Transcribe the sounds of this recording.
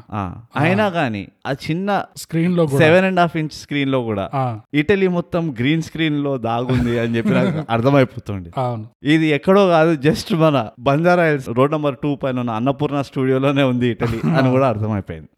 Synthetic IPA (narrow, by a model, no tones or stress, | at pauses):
a̰ːajinaːɡaːnḭaːt͡ʃinːɐskɾiːnloːseʋenɛɳɖaːpʰiɲt͡ʃskɾiːnlo̞ːkuːɽa̰ːiʈɐlimɔt̪ːɐmɡɾiːnskɾiːnlo̞ːd̪aːɡund̪iɐnit͡ʃe̞pːinaːʔɐɾt̪ʰɐmɐjipoːt̪uːɳɖianuid̪iɛkːɐɽoːkaːd̪ud͡ʒɐsʈmɐnɐbɐnd͡ʒaːɾaːjɐlsɾo̞ːɖnɐmbɐɾʈuːpɐjlunːɐːnːɐpuːɾnɐsʈuːɽijoːlo̞ːne̞ːund̪iːʈɐliɐnikuːɽaːɾt̪ʰɐmɐjpoːjḭnd̪i